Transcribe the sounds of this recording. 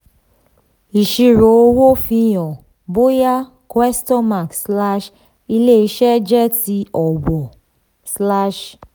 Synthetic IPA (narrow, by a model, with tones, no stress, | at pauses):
i˨ʃi˧ɾo˨o˧wo˦fĩ˧jɔ̃˨ | bo˦ja˦ | kwɛ˦stɔ̃˦ma˨ksla˦ʃ | i˧le˦˨i˧ʃɛ˦d͡ʒɛ˦ti˧ɔ˨wɔ˨ | sla˦ʃ